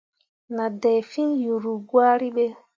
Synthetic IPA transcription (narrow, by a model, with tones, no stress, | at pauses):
na˨dɛ˨jfi˦nju˨ɾu˨ɡwaː˦ɾi˦ɓe˦